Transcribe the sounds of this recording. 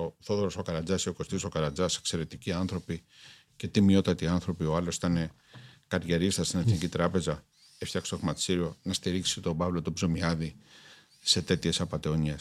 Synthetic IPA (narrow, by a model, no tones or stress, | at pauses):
oθoðoɾoso̞kɐɾɐd͡zɐsio̞ko̞st̪isokɐɾɐd͡zɐse̞kse̞ɾe̞t̪iciɐnθɾo̞pi | ce̞t̪imio̞t̪ɐt̪iɐnθɾo̞pioɐlo̞si̥t̪ɐne̞ | kɐɾʝeɾist̪ɐst̪ineθnicit̪ɾɐpe̞zɐ | eft̪jɐkst̪oimɐt̪siɾio̞nɐst̪iɾiksit̪o̞bɐvlo̞t̪obzomiɐði | se̞t̪e̞t̪çe̞sɐpɐt̪e̞oɲes